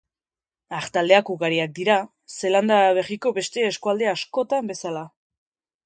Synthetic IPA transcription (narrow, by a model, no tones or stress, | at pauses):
aχt̪ald̪eakuɣaɾiak̚d̪iɾa | se̞land̪aβe̞riko̞βe̞st̪e̞ːskuald̪easko̞t̪ambe̞sala